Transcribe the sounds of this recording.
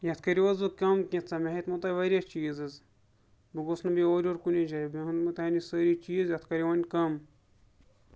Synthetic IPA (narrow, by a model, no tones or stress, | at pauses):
jɐt̪ʰkɐɾiʋɐzbɨkɐmkĩt̪t͡sɐmeɦet̪mɨt̪ɐʋɐɾʲat͡ʃiːzɨz | biɡosnɨbioːɾʲoːɾkunid͡ʒɐjbiɦɨnd̪mɨt̪ɦɐnisəɾit͡ʃiːzjɐt̪ʰkɐɾʲiʋɐnʲkɐm